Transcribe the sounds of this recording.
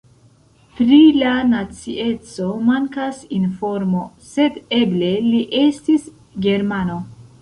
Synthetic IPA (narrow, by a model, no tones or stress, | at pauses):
pɾilanat͡siʔe̞t͡so̞maŋkasinfo̞ɾmo̞se̞de̞ble̞liʔe̞stis | ɡe̞ɾmano̞